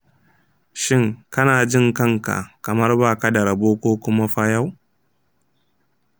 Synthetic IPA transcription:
ʃɪ˦ŋkɐ˦naː˨d͡ʒɪ˦˨ŋkɐ˦˨ŋka̰˨kɐ˨mɐ˦rbaː˦˨ka˦dɐ˨ɾa˨boː˦kʷoː˦kʷʊ˦ma˦ɸa˦ja˦w

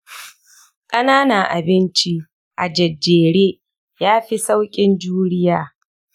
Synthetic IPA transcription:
kʼɐ˦naː˦na˨ʔa˨bɪ˦nt͡ʃi˦ | ʔa˨d͡ʒɐ˨d͡ʒːeː˨ɽeː˦ | jaː˦ɸi˦sa˦wkʲʼɪ˦nd͡ʒuː˦ɾɪ˦jaː˨

